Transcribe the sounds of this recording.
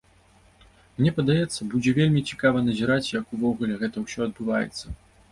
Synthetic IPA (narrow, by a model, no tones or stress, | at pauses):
mnʲɛpɐd̪ajɛt̪sːɐbud͡zʲɛvʲelʲmʲit͡sʲi̥kavɐnɐzʲiɾat͡sʲjɐkuvɔɣulʲɛɣɛt̪ɐwsʲɔɐd̪̚bɨvajɛ̰t̪sːɐ